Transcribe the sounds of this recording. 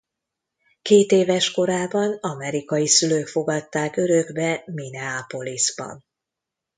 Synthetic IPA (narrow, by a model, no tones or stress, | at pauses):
keːt̪eːvɛʃko̞ɾaːbɒnɒmɛɾikɒjisyløːkfo̞ɡɒt̪ːaːkø̞ɾøɡbɛminɛapo̞lizbɒ̰n